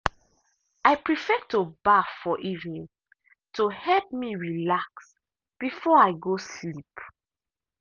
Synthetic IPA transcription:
aɪpɹifɛtobafɔʔivnĩn | tohɛlp̚miɹilaks | b̥ifɔaɪɡoslip

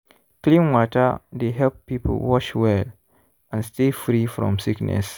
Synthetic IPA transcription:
klĩnwɔtədeɦɛlppːipʰə̰lwɔt͡ʃwɛl | ʔãnstefɾifɹɔ̰̃msiknɛ̰s

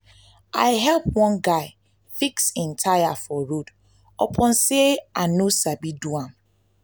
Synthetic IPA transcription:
ʔa̰ɪɦɛlpwɔ̃nɡaɪ | fiksɪ̃ntʰajafɔɹud | ɔ̰pʰɔ̃nseanosabiduãm

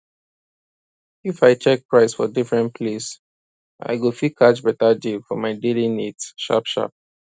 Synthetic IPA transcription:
ifaɪt͡ʃɛk̚pɹaɪsfɔ̰difɹɛ̃npʰles | ʔa̰ɪɡofikʰat͡ʃbɛtadifɔmaɪdelinitʃa̰pʃa̰p̚

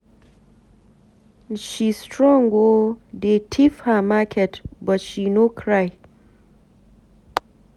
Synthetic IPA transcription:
n̩ʃistɾɔ̃ŋɡodetʰifhamakʰɛtbɔtʃinokʰɾaɪ

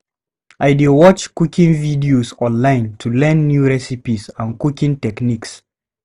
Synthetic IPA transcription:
ʔaɪdiwɔt͡ʃkukʰĩŋvidiozɔ̃nlãɪ̃ntʰulɛ̃nːjuɹɛsipizə̃nkukĩŋtɛkniks

